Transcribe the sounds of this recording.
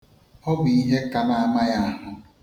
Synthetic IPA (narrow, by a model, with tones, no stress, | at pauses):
ɔ˦bʊ˨i˦ɦe˦ka˦ma˦a˦ma˦ja˦a˦ɦʊ˨